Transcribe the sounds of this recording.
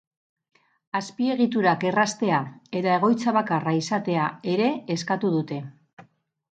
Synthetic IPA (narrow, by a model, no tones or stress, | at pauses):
aspie̞ɣ̞it̪uɾake̞rast̪e̞ae̞t̪ae̞ɣ̞o̞jt͡saβ̞akaraisat̪e̞ae̞ɾe̞ːskat̪uðut̪e̞